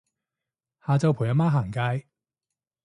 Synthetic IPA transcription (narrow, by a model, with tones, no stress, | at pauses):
haː˨t͡sɐ˧wpʰu˨˩jɐ˨˥maː˥ɦaː˨˩ŋkaː˧j